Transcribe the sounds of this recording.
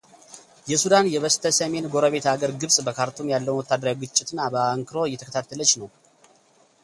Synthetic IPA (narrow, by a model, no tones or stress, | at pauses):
jɛsud̪anjɛβəst̪ʰəsəme̞nɡo̞ɾəβe̞t̪aɡəɾɡɨβsʼbəkʰaɾt̪ʰumjalːəwnwɔt̪ːad̪ːəɾawɡɨt͡ʃʼːɪt̪ɨnːabəaŋkʰɨɾo̞ɨjːɛt̪ʰəkə̥t̪ʰat̪ʰːələt͡ʃːnəw